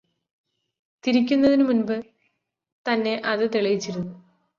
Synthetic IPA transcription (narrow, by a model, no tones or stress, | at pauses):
t̪iɾik̬ʲːunːɐðinumunbɨ | t̪ɐnːe̞ʔɐðɨt̪iɭɐjit͡ɕːiɾunːu